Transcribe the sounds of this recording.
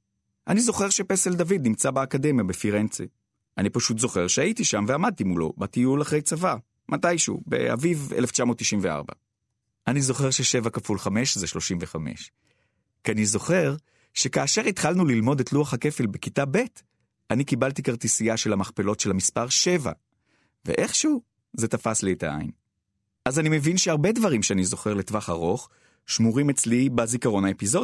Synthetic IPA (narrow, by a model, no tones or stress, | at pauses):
ʔanizo̞χe̞ʁʃe̞peseldavid̪̚nimt͡sabaːkade̞mjabefiʁent͡si | ʔanipaʃut̪zo̞χe̞ʁʃeaitiʃamveamad̪̚t̪imulo̞̰batijulaχʁe̞jt͡sava | mʔatajʃṵbe̞̰a̰vivḛleft͡ʃamo̞t̪ːiʃimvea̰ʁba̰ | ʔanizo̞χe̞ʁʃeʃe̞vakafulχame̞ʃzeʃlo̞ʃimveχame̞̰ʃ | kanizo̞χe̞ʁ | ʃe̞kaːʃe̞ʁit̪χalnulilmo̞detluaχhake̞felbekitabe̞t | anikibaltikaʁtisiaʃelamaχpe̞lo̞tʃe̞lhamispaʁʃe̞va̰ | vḛʔe̞χʃu | ze̞tafaslietaa̰ḭn | ʔazanime̞vinʃeaʁbe̞dvaʁimʃeanizo̞χe̞ʁle̞tvaχaʁo̞χ | ʃmuʁimet͡slibazikaʁo̞naepizo̞